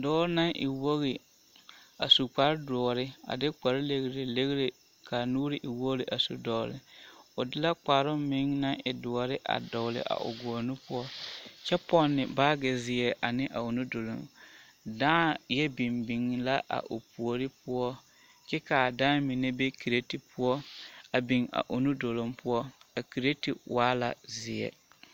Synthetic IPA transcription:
dɔː˦ɾna˦ʔɪ̰˨wo˦ɣɪ˨ | a˨su˨k͡pa˨ɾdɔ˨ɾɪ˦a̰˨dɪ˦k͡pa˨ɾle˨ɣɾe˨le˦ɣɾe˨ | kʰa˨nuː˦ɾɪ˨ʔɪ˨wo˦lɪ˨ʔa˨sṵ˨dɔ˨lɪ̰˨ʊ˨dɪ˦la˦k͡pa˨ɾʊ˦mɪ˦ŋna˦ʔɪ˨dʊ˨ɔ˨ɾɪ˦ʔa̰˨dɔ˨lɪ̰˨ʔa̰˨ʔʊ̰˨ɡɔ˨o˨nu˦pʊ˦ɔ˦t͡ʃɛ˦pɔ˦nːɪ˨baː˦ɡɪ˨zɪ˨ɛ˨ʔa˨nɪ˦ʔa˨ʊ˨nu˦do˨lo̰˨m | daː˦jɛ˦bi˨mbi˨ŋ˦la˦ʔa̰˨ʔʊ˨pu˨o˨ɾɪ˦pʊ˦ɔ˦ | t͡ʃɛ˦ka˨daː˦mi˨ne˦be˦ki˨ɾe˦ti˨pʊ˦ɔ˦a˨bi˨ŋa̰˨ʔʊ˨nu˦do˨lo˨mpʊ˦ɔ˦a˨ki˨ɾe˦ti˨waː˦la̰˨zɪ˨ɛ̰˨

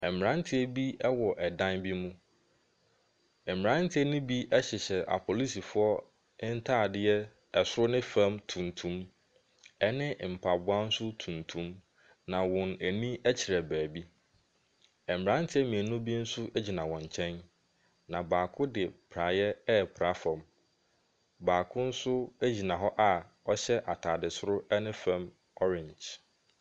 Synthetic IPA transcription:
ɛ˨m˨ɾã˦n˦tʰɪ˦ɛ˦bi˦ɛ˦wɔ˨ʔɛ˨dã˦nbi˦mũ˦ | ɛ˨m˨ɾã˦ntʰɪ˦ɛ˦nʊ̃˦bi˦ʔɛ˦ɕɪ˨ɕɛ˨ʔa̰˨pʰo˨li˦si˨fʊ˦ɔ˦ | ɪ˦n̩˦tʰaː˦˨dɪ˦ɛ˦ | ɛ˨sʊ˦ɾʊ˦nɪ̃˦fã˦mtʰũ˨ntʰũ˦m | ɛ˦nɪ̃˦m̩˨pʰa˨bʊ˦a˦n̩˦sʊ˦tʰũ˨ntʰũ˦m | nã˨wɔ̃˨næ˨nĩ˦æ˦t͡ɕʰi˨ɾɛ˨bæː˨bi˦ | ɛ˨m̩˨bɾã˦n˦tʰɪ˦ɛ˦mĩ˨e˨nũ˦bi˦n̩˦sʊ˦ʔæ˦d͡ʑi˨nã˨wɔ̃˨ɲ˨t͡ɕʰɛ̃˦n | nã˨baː˨kʰʊ˦dɪ˨pʰɾa˨jɛ˦ɛ˦˨pʰɾa˨˦fã˨m | baː˨kʰʊ̃˦n̩˦sʊ˦æ˦d͡ʑi˨nã˨ɦɔ˦ʔa˨ | ɔ˦ɕɛ˦ʔa˨tʰa˨dɪ˨sʊ˦ɾʊ˦ɛ˦nɪ̃˦fã˦m | ɔ˦ɾɪ̃˨ɲd͡ʒ

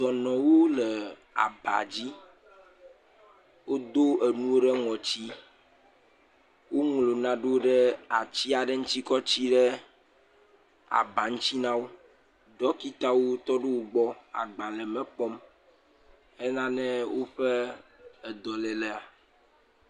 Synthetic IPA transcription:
d̪ɔ˨nɔ̃˨wo˦le˨ | a̰˨ba̰˨d͡ʑi˦ | wo˦d̪o˦e˨nũ˦o˦ɖɛ˦ŋɔ̃˨t͡ɕi˦ | wo˦ŋlo˨nã˨ɖo˦ɖɛ˦a˨t͡ɕi˦a˨ɖe˦ŋ̩̃˦t̪i˦kɔ˦t͡ɕi˦ɖɛ˦ | a̰˨ba˨ŋ̩̃˦t͡ɕi˦nã˦wo˦ | ɖɔ˦ki˦t̪a˦wo˦t̪ɔ˦ɖe˦wo˦ɡ͡bɔ˦a̰˨ɡ͡bã˨lɛ˨mɛ̃˦k͡pɔ˦m | e˦nã˦nɛ̃˦wo˦ɸe˦ɛ˨d̪ɔ˨lɛ˨lɛ˨a˨

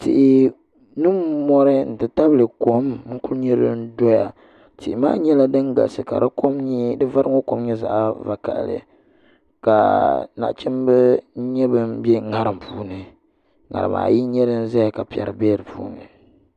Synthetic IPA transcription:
ti˨ʔi˨ | nɨ˦mɔ˦ɾɨ˦n̩˨tɨ˨ta˦bɨ˨lɨ˨ko˨mŋ̩˦ku˦lɲɛ˦ɾɨ̰˦n̩˦do˦ja˨ | ti˨ʔɪ˨maː˦ɲɛ˦la˦dɨ˦ŋɡa̰˨sɨ˨ka̰˨dɨ˦ko˦mɲ˦dɨ˦va˦ɾɨ˦ŋo˦ko˨mɲɛ˦za̰˨ʔva˨ka̰˨ʔlɨ̰˨ | ka̰˨na̰˨ʔt͡ʃɛ˦m˦bɨ˦ɲɛ˦bɨ˦mbjɛ˦ŋa˨ɾɨ˨m˨puː˨˦nɨ˨ | ŋa̰˨ɾɨ̰˨ma̰ː˨ji˦ɲɛ˦ɾɨ˦n̩˦za˦ja˨ka˨pi˨ɛ̰˨ɾɨ̰˨beː˦ɾɨ˨pṵː˦nɨ˨

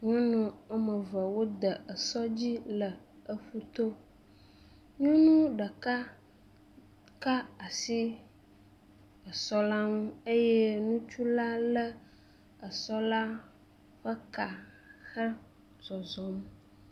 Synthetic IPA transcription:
ɲɔ̃˦nɔ̃˨ə˦mə˨və˨wo˦d̪ə˨ə˨sɔ˦d͡ʑi˦lə˨ | ə˦ɸu˦t̪o˦ | ɲɔ̃˦nũ˦ɖə˨ka˦ | ka˦a˨si˦ | ə˨sɔ˦la˦ŋũ˦e˦je˦nũ˦t͡ʃu˦la˦lə˦ | ə˨sɔ˦la˦ | ɸə˦ka˨ | xə˦ | zɔ˨zɔ˨˦m

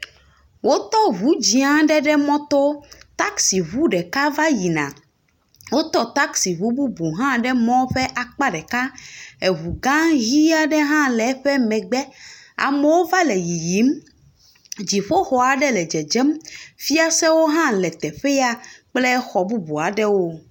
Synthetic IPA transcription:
wo˦t̪ɔ˦vu˨˦d͡ʑi˨ã˦ɖɛ˦ɖɛ˦mɔ̃˦t̪o˦t̪a˦ksi˨βu˦ɖɛ˨ka˦va˦ji˨nã̰˨ | wo˦t̪ɔ˦t̪a˦ksi˨βu˦bu˦bu˨ɦã˦ɖɛ˦mɔ̃˦ɸɛ˦ʔa˨k͡pa˦ɖɛ˨ka˦e˨βu˨ɡã˦ɣi˦a˦ɖɛ˦ɦã˦lɛ˨ɛ˦ɸɛ˦mɛ̃˨ɡ͡bɛ˦a̰˨mɛ˨wo˦va˦lɛ˨ji˨ji˨˦m | d͡ʑi˨ɸo˦xɔ˨a˨ɖɛ˦lɛ˨d͡ʒɛ˨d͡ʒɛ˦mfi˦a˦sɛ˦wo˦ɦã˦lɛ˨t̪ɛ˨ɸɛ˦ja˦k͡plɛ˦xɔ˨bu˦bu˨a˨ɖɛ˦wo˦

